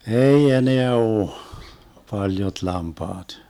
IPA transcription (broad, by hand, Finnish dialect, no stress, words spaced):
ei eneæ oːh pɑljot lɑmpɑːt